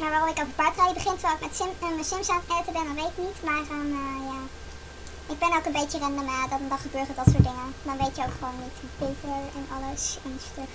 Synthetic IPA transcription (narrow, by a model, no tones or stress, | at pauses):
maːɹʋaːrɔmɪkɔlfəpaɹtrawjiəbəχɪntʋɛlˠokmɛtsɪnəmɛsɪmsantɛtəbɛndɑnʋejtɪknitmaːrəməjaː | ɪɡ̚bɛnowkənbejərɛndənaːdɑndɑχəbøːrədɑtsʊːdɪŋəndɑnʋejtjəowkχəʋownːitbitəlɛnɑləsɛnstøk